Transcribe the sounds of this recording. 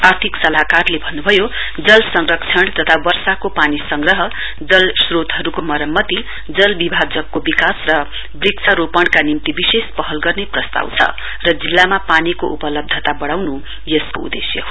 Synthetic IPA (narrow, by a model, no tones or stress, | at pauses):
art̪ʰiksʌlakarlebʱʌnːubʱʌjo | d͡zʌlsʌŋrʌkt͡sʰʌɳt̪ʌt̪ʰawʌrsakopanisʌŋɡrʌɦʌ | d͡zʌlsrot̪ɦʌɾukomʌɾʌmːʌt̪i | d͡zʌlbibʱad͡zʌkːobikasrʌ | briksʰaɾopʌɽ̃kanimt̪ibisespʌɦʌlɡʌrneprʌst̪a̰wt͡sʰʌ̰ | rʌd͡zilːamapanikoʔupʌlʌb̚d̪ʱʌt̪abʌɽawnu | jʌskoṵd̪ḛsjʌ̰